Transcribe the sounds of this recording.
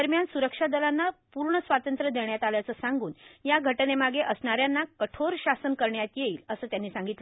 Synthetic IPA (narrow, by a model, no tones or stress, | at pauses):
əɾmjansuɾəkʂad̪əlanːapuɾɳəsʋat̪ənt̪ɾəd̪eɳjat̪aljat͡səːsaŋɡuːnjaɡʱəʈnemaɡeʔəsɳaɾjanːakəʈʰoɾɕasənkəɾɳjat̪jeiːləsəːt̪janːiːsãŋɡit̪lə